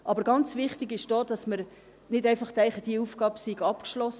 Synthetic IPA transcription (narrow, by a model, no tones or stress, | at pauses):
ʔɑbəɾɡɑnt͡svɪχtɪɡɪʃd̥oːd̥ɑsməɾ | nɪdɛɪfɑχtɛɪχəd̥iufɡ̥ɑːbəsiɡɑpkʃlɔs